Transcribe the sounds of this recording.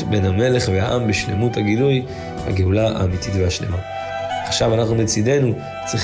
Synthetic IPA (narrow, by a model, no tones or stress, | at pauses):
be̞nhame̞le̞χvehaʔambeʃle̞muthaɡiluj | ha̰ɡeulaa̰ːmititvehaʃle̞̰ma | aχʃavanaχnumet͡side̞nu | t͡sʁi